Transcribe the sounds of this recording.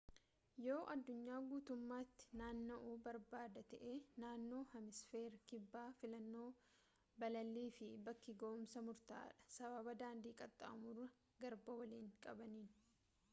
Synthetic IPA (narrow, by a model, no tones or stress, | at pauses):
jo̞ːʔɐd̪ːʊɲːaːɡuːt̪ʊmːaːt̪ːɪ̥naːnːoʔuːbɐɾbaːd̪ɐt̪ɛʔeːnaːnːo̞ːhɐmɪsfeːɾkɪbːaːfɪlɐnːo̞ː | bɐlɐlːiːfɪbɐkːɪɡoːʊmsɐmʊɾt̪a̰ːᶑɐ̥sɐbɐbɐd̪aːnd̪iːkʼɐt̪ʼːa̰ɐmʊrːɐ | ɡɐɾbɐwɐliːŋkʼɐbɐniːn